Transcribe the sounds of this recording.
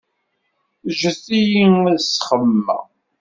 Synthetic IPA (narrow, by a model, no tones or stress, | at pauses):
ʒəθijiŋæðsχəmːæ̰